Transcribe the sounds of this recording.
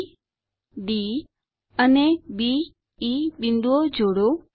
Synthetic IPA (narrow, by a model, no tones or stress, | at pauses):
ɖi | ənebi | ibind̪uod͡ʒoɽo